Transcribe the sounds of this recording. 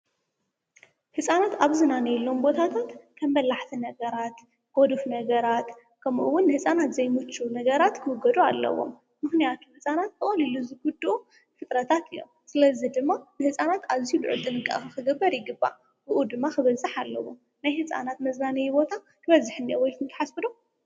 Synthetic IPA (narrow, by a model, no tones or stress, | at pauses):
hɨsʼanat̪aβzɨnanɐjlːo̞mbo̞t̪ʰat̪ʰat̪kʰɐmbɐlaħt̪ʰinɐɡɐɾat̪ | ɡ̥od̪ɨfnɐɡɐɾat̪ | kʰɐmʔṵwːʊnːɨhɨsʼanat̪zɐjmɨt͡ʃːunɐɡɐɾat̪kʰɨwʊɡɐd̪ualːɐ̰wo̞̰m | mɨxnijat̪ʰuhɨsʼanat̪̚kɨʔʼoliluzɨɡud̪uʔu | fɨt̪ʼɾɐt̪ʰat̪ʰɨjːo̰msɨlɐzid̪ɨmːanɨhɨsʼanat̪aβzijulʕṵt̪ʼɨnɨkʼːa̰ʔxɨkɨɡɐbːɐɾjɪɡɨbːa̰ | bɨʔud̪ɨmːaxɨβɐzɨħalːɐ̰wo̰ | najhɨsʼa̰nat̪mɐznanɐjubo̞t̪ʰa | kʰɨβɐzɨħnijowɔjkʰɨnt̪ɨ̥ħasbɨd̪o